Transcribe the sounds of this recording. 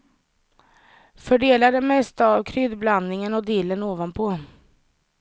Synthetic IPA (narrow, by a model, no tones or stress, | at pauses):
fœɖeːlad̪əmɛst̪avkʰɾʏd̪bland̪nɪŋənɔd̪iːlːənoːvanpʰɔ